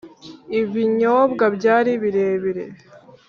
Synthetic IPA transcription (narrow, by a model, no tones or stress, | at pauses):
iβiɲobɡabɟaːɾiβiɾe̞ːβiɾḛ